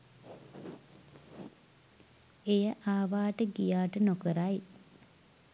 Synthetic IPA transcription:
ejəʔaːʋaːʈəɡijaːʈənokəɾaj

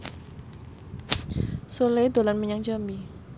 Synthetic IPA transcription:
solejd̪olanməɲaŋd͡ʒami

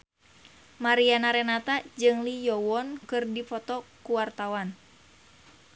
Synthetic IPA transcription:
maɾianaɾɛnat̪ad͡ʒɨŋlijɔwɔnkɨrdifɔt̪ɔkuwart̪awan

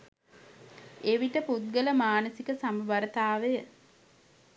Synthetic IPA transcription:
eʋiʈəput̪̚ɡələmaːnəsikəsamuʋɐɾət̪aːʋejə

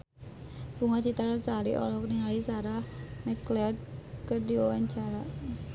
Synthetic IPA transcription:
b̥uŋat͡ʃit̪aɾasaɾiʔɔ̰lɔkniŋalisaɾahmɛklɛd̚kərdiwawaɲt͡ʃaɾa

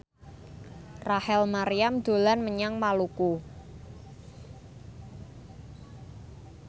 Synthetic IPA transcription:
rahɛlmaɾijamd̪̥o̤lanməɲaŋmaluku

